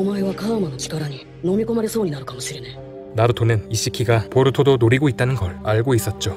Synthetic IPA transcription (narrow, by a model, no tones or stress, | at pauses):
omaeβakamano̞t͡ɕi̥kaɾaɲ̟i | no̞mʲiko̞maɾe̞so̞ːɲ̟inaɾɯ̟kamo̞ɕiɾe̞na | naɾɯtʰonɯniɕ͈ikʰiɡapoɾɯtʰodonoɾiɡoit͈̚anɯnɡʌɭaɭɡois͈ʌt̚t͡ɕ͈o